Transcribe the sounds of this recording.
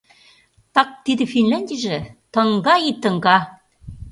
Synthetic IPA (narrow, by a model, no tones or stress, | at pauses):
t̪ɑk̚t̪id̪ɘ̆finlʲænʲd̪ʲiʒĕt̪ɤ̆ŋɡɑit̪ə̆ŋɡɑ